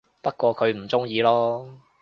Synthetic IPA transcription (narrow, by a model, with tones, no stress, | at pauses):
pɐ˥t̚kʷɔː˧kʰɵ˨˧ɥm̩˨˩t͡sʊ˥ŋjiː˧lɔː˥